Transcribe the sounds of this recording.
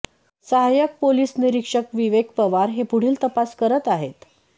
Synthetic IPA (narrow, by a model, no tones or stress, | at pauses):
səɦajək̚poliːsniɾikʂəkʋiʋek̚pəʋaɾɦepuɽ̤iːlt̪əpaskəɾət̪aɦet̪